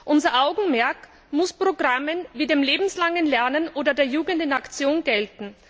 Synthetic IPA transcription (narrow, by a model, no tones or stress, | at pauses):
ʔʊnzɐʔaʊɡŋ̩mɛɐk | mʊspʁ̥oɡʁamənviːdeːmleːbm̩slaŋənlɛɐnənʔoːdɐdeːɐjuːɡəndɪnakt͡sjoːnɡɛltn̩